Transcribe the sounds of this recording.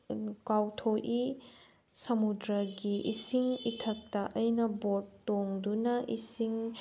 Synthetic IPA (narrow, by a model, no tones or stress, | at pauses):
kawtʰoʔi | sɐmudɾɐɡiʔisiŋitʰɐk̚tɐʔɐjnɐbotːoŋdunɐʔisiŋ